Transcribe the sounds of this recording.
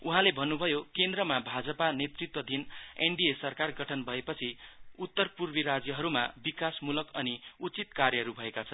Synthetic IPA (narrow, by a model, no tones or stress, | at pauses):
uɦãlebʱʌnːubʱʌjokend̪rʌmabʱad͡zʌpanet̪rit̪wʌd̪ʱineɳɖiesʌrkarɡʌʈʰʌnbʱʌepʌt͡sʰiut̪ːʌrpurbiɾad͡zjʌɦʌɾuma̰bikasmulʌkʌniut͡sit̪karjʌɦʌɾubʱʌekat͡sʰʌnn